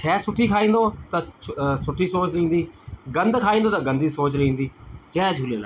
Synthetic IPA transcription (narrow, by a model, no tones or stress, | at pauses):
t͡ʃʰɛːsʊʈʰːiːkʰaːĩːnd̪oːt̪ãsʊʈʰːiːsoːt͡ʃɾəĩːnd̪iːɡənd̪kʰaːĩːnd̪oːt̪ãːɡənd̪iːsoːt͡ʃɾĩːnd̪iːt͡ʃɛːd͡ʒʱuːleːna̰